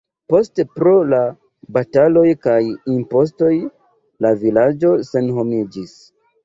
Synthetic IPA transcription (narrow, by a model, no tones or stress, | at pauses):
po̞stepɾo̞la | batalo̞jkajimpo̞s̬to̞j | lavilad͡ʒo̞se̞nɦo̞mid͡ʒis